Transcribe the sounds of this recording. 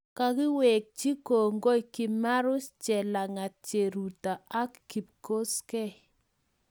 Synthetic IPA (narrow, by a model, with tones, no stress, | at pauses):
ka˨ki˦we˨k̚t͡ʃi˦ko˨ŋɡo˦i˨ki˨ma˦ɾʊ˦st͡ʃɛ˨la˨ŋa˨t̚t͡ʃe˨ɾu˨ta˨a˦kːi˨p̚ko˦skɛ˦